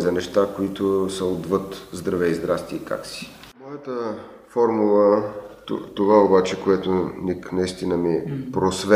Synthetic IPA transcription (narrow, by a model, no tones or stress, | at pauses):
zɐnɛʃt̪akoit̪osəod̪vɤt̪zd̪ɾɐvɛizd̪ɾast̪iika̰ksi̥ | mɔjət̪ə | fɔɾmulˠət̪t̪ovaobat͡ʃɛkoɛt̪oniknɐist̪inəmipɾosvɛ